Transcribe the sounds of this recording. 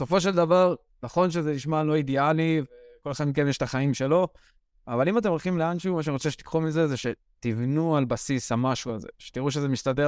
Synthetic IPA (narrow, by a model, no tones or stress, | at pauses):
so̞fo̞ʃ̬eld̪avaʁ | naχo̞nʃ̬ezeliʃmalo̞id̪ealiveko̞lexad̪mikevmjeʃt̪aχaimʃe̞lo̞ | avalimat̪̬e̞molχimleanʃumaʃaniʁot͡seʃet̪i̥kχumize̞zeʃe̞ | t̪ivnualbasishamaʃualze̞̰ʃe̥t̪iʁuʃ̬ezemist̪ad̪e